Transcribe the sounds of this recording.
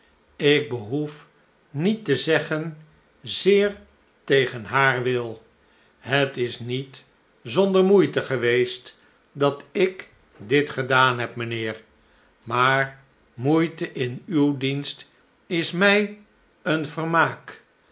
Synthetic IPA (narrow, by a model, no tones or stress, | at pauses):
ɪɡ̚bəɦuf | nitəzɛχən | zɪːɹ | tejχənɦaːɹʋɪlˠ | ɦətɪsnit | zɔndəɹmujtəχəʋejst | dɑtɪk | dɪtχədaːnɦɛpmənɪːɹ | maːɹ | mujtəʔɪnywdinst | ɪsmɛj | ənvəɹmaːk